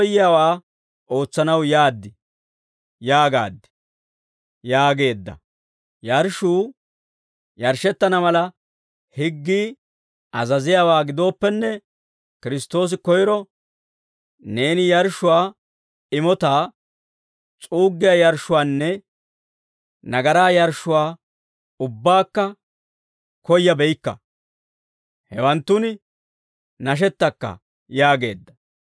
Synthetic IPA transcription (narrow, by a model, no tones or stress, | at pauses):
jɪjaːwaː | o̞ːt͡sːɐnɐwjaːd̪ːɪ | jaːɡa̰ːd̪ːɪ̥ | jaːɡe̞ːd̪ːɐ̰ | jɐɾʃuː | jɐɾʃɛt̪ːɐnɐmɐlɐ | hɪɡːiː | ʔɐzɐzɪjaːwaːɡɪd̪o̞ːpːɛnːɛ | kɪɾɪst̪o̞ːs̬ɪkɔjɾɔ | ne̞ːnɪjɐɾʃʊwaː | ɪmɔt̪aː | t͡sʼuːɡːɪjaːjɐɾʃʊwaːnːɛ | nɐɡɐɾaːjɐɾʃːʊwaː | ʊbːaːkːɐ | kɔjːɐbɛjkːɐ̰ | hɛwɐnt̪ːʊn | nɐʃ̬ɛt̪ːɐkːɐ̰ | jaːɡe̞ːd̪ːɐ